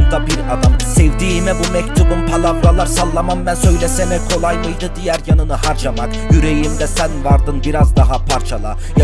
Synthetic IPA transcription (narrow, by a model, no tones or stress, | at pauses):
nd̪abiɾad̪amsɛvd̪iːmɛbumɛct̪ʰubumpʰalˠavɾalˠaɾsalˠːamamːænsø̞jlʲɛsɛmɛkʰo̞lˠajmɯjd̪ɯd̪ijæɾjanɯnɯɦaɾd͡ʒamak | jyɾejimd̪ɛsænvaɾd̪ɯnbiɾazd̪aɦapʰaɾt͡ʃʰalˠa | j